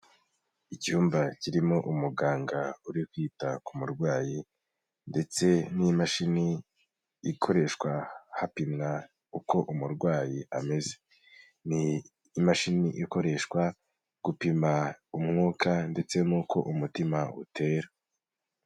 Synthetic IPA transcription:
icuːmbaciɾimo̞ʔumuɡaːŋɡauɾikwiːtakumuɾɡwaːji | nde̞t͡se̞nimaʃini | ikʰo̞ɾe̞ʃkwahapimŋa | uko̞ʔumuɾɡwaːjiʔame̞ze | niː | maʃiniʔiko̞ɾe̞ʃkwa | ɡ̥upimaumŋuːkʰande̞t͡se̞nuːko̞ʔumutimaṵtʰe̞ːɾa

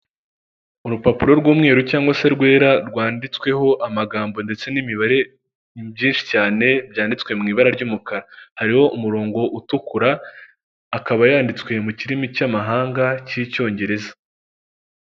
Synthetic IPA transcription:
uɾupapuɾo̞ɾɡwuːmŋe̞ːɾucaːŋɡwase̞ɾɡwe̞ːɾaɾɡwaːndit͡swe̞ho̞ʔamaɡaːmbo̞nde̞t͡se̞nimiβaɾe̞ | bjiːnʃi̥caːne̞bjaːndit͡swe̞mŋiːβaɾaɾɟuːmukaɾahaɾiho̞ʔumuɾo̞ːŋɡo̞ʔutukuɾaː | kaβajaːndit͡swe̞muciɾimicamaɦaːŋɡacico̞ːɲɟe̞ɾe̞zḁ

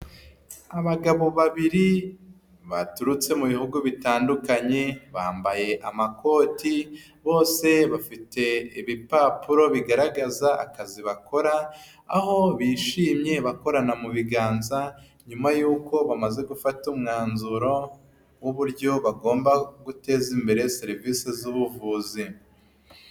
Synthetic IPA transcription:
aβaɡaβo̞βaβiɾi | βa̰tuɾut͡se̞muβihuɡuβitaːndukaɲe̞βaːmbaje̞ʔamakʰo̞ːti | βo̞ːse̞βafite̞iβipapuɾo̞βiɡaɾaɡazaʔa̰kaziβako̞ɾaː | ho̞βiːʃiːmɲe̞βako̞ɾanamuβiɡaːnza | ɲumajuːko̞βamaze̞ɡufatumŋaːnzuɾo̞ | wuβuɾjo̞βaɡo̞ːmbaɡute̞ːzimbe̞ɾe̞seɾiviːsezuβuvuːzi

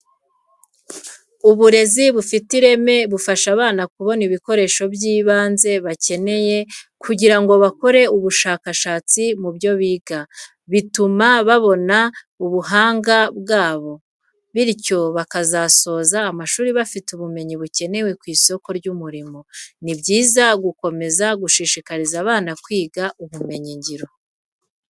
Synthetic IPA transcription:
uβuɾe̞ziβufitiɾe̞me̞βufaʃaβaːnakuβo̞niβiko̞ɾe̞ːʃo̞bjiːβaːnze̞βace̞ne̞je̞kʰuɟiɾaŋɡo̞βako̞ɾe̞uβuʃaːkaʃaːt͡simubjo̞βiːɡa | βitumaβaβo̞na | uβuɦaːŋɡabɡaːβo̞ | βiɾco̞βakazaso̞ːzaːmaʃuːɾiβafituβume̞ɲiβuce̞ne̞we̞kwiːso̞ko̞ɾɟumuɾimo̞nibɟiːzaɡuko̞me̞zaɡuʃiʃikaɾizaːβaːnakwiːɡaʔuβume̞ɲiɲɟiɾo̞

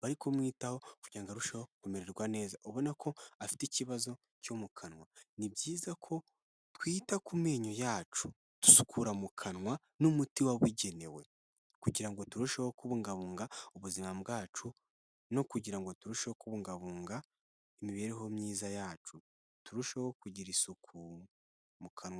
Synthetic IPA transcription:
βaɾikʰo̞mwiːtaho̞kuɟɾaŋɡaɾuʃehokumeɾeɾɡwane̞ːzaʔoβo̞nakʰo̞afi̥teciβazo̞ | co̞mukʰanwanibɟiːzakʰo̞ | twiːtakumeːɲojaːt͡ʃu | tu̥su̥kʰuɾamukʰanŋwa | numutiwaβuɟe̞ne̞we̞ | kuɟiɾaŋɡo̞tuɾuʃeho̞kuβuŋɡaβuːŋɡauβuzimabɡaːt͡ʃu | no̞kuɟiɾaŋɡo̞tuɾuʃehokuβuŋɡaβuːŋɡa | emiβe̞ːɾeɦo̞mɲiːzajaːt͡ʃu | tuɾuʃeho̞kuɟiɾisukʰu | mukʰanwa

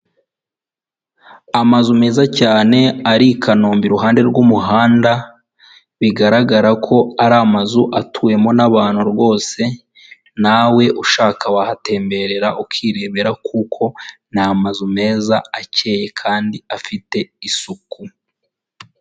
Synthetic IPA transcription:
amazume̞ːzacaːne̞aɾikʰanoːmbiɾuɦaːnde̞ɾɡumuɦaːnda | βiɡaɾaɡaɾakʰo̞aɾamazuʔatʰuwe̞mo̞naβaːn̥huɾɡo̞ːse̞ | nawe̞ʔuʃaːkawahate̞ːmbe̞ɾe̞ɾaʔukiɾe̞βe̞ɾakʰukʰo̞namazume̞ːzaace̞ːje̞kʰaːndiafite̞isuku

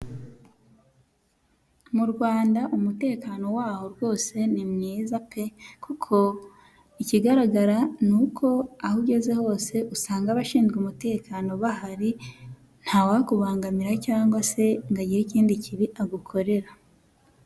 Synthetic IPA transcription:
muɾɡwaːndaʔumute̞ːkaːno̞waːho̞ɾwo̞ːse̞nimŋiːzapʰe̞kukʰo̞ | iciɡaɾaɡaɾanukʰo̞ahuɟe̞ze̞ho̞ːse̞ʔusaːŋɡaβaʃiːnzɡumute̞ːkaːno̞βahaɾi | n̥hawakuβaːŋɡamiɾacaːŋɡwase̞ŋɡaɟiɾeciːndiciβiʔaɡukʰo̞ɾe̞ɾa

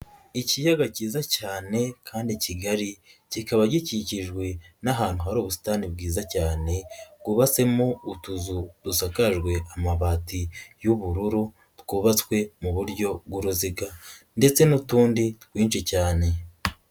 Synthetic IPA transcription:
icijaɡaciːzacaːne̞kʰaːndiciɡaɾi | cikaβaɟiciciʒɡwe̞naɦaːn̥huɦaɾoːβusi̥taːnibɡiːzacaːne̞ɡ̥uβat͡se̞moutuzudusakaʒɡwe̞ʔamaβaːtijuβuɾuɾu | tɡ̥uːβat͡skwe̞muβuɾɟo̞ɡuɾuziɡande̞t͡se̞nutuːnditkwiːnt͡ʃicaːne̞

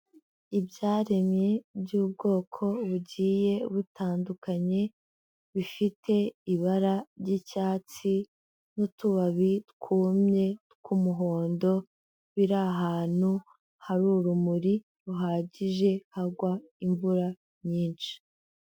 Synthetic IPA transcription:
ibɟaːɾe̞mɲe̞bɟuːb̚ɡo̞ːkʰo̞βuɟiːje̞βutʰaːndukaɲe̞ | βifitʰe̞iβaɾaɾɟicaːt͡si | nutuβaβitkʰuːmɲe̞tkumuɦo̞ːndo̞ | βiɾaɦaːn̥hu | haɾuːɾumuɾi | ɾuɦaːɟiʒe̞haɡwa | iɱvuɾa | ɲiːnt͡ʃi̥

